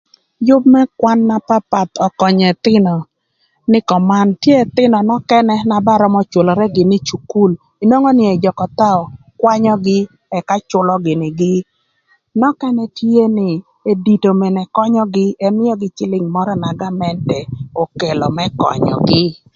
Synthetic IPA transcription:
jʊ˦b̚mɛ˦kwa˦nːa˦pa˦pa˨t̪ɔ˨kɔ˨ɲɛ˨t̪ɪ˦nɔ˨ | nɪ˦kɔ˨ma˦ntje˦ɛ˨t̪ɪ˦nɔ˨nɔ˦kɛ˦nɛ˦na˨ba˦ɾɔ˦mɔ˦t͡ʃo˨lɔ˨ɾɛ˦ɡɪ˨nɪ˦t͡ʃu˨ku˦l | i˨no˦ŋɔ˦nɪ˨ɛ˨d͡ʒɔ˨kɔ˨t̪a˦ɔ˨ | kwa˦ɲɔ˦ɡɪ˦ | ɛ˨ka˦t͡ʃʊ˦lɔ˦ɡɪ˨nɪ˨ɡɪ˦ | nɔ˦kɛ˦nɛ˦tʰe˦nɪ˨ | e˨di˨to˨me˨nɛ˨kɔ˦ɲɔ˦ɡɪ˦ɛ˦mɪ˦jɔ˦ɡɪ˦t͡ʃɪ˦lɪ˦ŋmɔ˦ɾɔ˦na˨ɡa˦mɛ˦ntɛ˨o˨ke˨lɔ˨mɛ˦kɔ̰˨ɲɔ̰˨ɡɪ˦

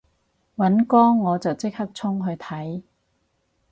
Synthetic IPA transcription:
wɐ˨˥nkɔː˥ŋːɔː˨˧t͡sɐ˨wt͡sɪ˥k̚hɐ˥k̚t͡sʰʊ˥ŋɦɵ˧ɥt̪ʰɐ˨˥j

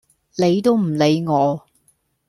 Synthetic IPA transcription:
le˨˧jt̪o˥wm̩˨˩le˨˧jŋɔː˨˧

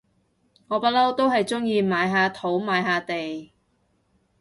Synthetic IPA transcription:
ŋɔː˨˧pa˥lɐ˥wt̪o˥wɦɐ˨jt͡sʊ˥ŋjiː˧maː˨˧jɦaː˨˧t̪ʰo˨˥wmaː˨˥jɦaː˨˧t̪e˨j

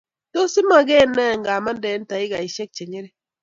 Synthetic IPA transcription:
to˦sɪ˦ma˨ɡe˦nːɛ˦˨ŋɡa˨ma˦ndɛ˨˦n˦ta˨ɪ˦ɡa˨i˨ʃɛ˦k̚t͡ʃe˨ɲe˦ɾe˦

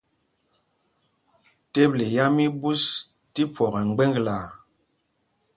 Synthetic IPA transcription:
te˦ble˨ja˦mi˦bu˦s | ti˦pwɔ˨ɣɛ˨ŋ˦ɡ͡bɛ˦ŋɡla˨

